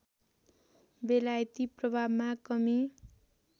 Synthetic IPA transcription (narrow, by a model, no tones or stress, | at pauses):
belajt̪iprʌbʱabmakʌmi